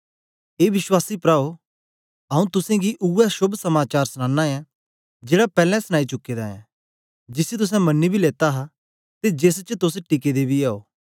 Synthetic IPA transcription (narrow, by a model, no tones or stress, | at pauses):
eːʋɪswaːsipɾaːo | ɐũt̪ʊsɛ̃ɡiʔuɛʃʊbsɐmaːt͡ʃaːɾsñãːnːaɛ̃ | d͡ʒeːɽapɛːlɛ̃sñaːit͡ʃʊkːeːd̪aɛ̰̃ | d͡ʒɪsit̪ʊs̬ɛ̃mɐnːibʱileːt̪aɦa | t̪ed͡ʒeːs̬t͡ʃt̪ʊsʈɪk̬ed̪ebʱiaːo̰ː